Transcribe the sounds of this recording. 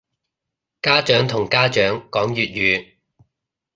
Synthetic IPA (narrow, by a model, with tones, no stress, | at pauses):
kaː˥t͡ʃœː˨˥ŋt̪ʰʊ˨˩ŋkaː˥t͡ʃœː˨˥ŋkɔː˨˥ŋjyː˨t̚jyː˨˧